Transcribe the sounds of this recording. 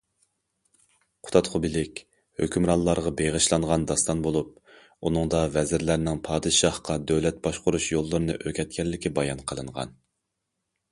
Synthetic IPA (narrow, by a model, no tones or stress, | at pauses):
qʰʊ̥t̪ʰɑt̪χʊbɪlɪkʲ | høkʲymɾɑnlːˠɑɾʁɑbeʁəʃlˠɑɴʁɑnd̪ɑst̪ɑnbolˠup̚ | unɨŋd̪ɑvɛzɪɾlæɾnɪŋpʰɑːd̪ɨʃɑhqɑd̪øwlɛt̪̚bɑʃqʊɾuʃjolˠːɨɾɨnɨʔøkʲɛt̪̚kʲɛlːɪkʲibɑjɑnqʰəlˠɨŋʁɑ̰n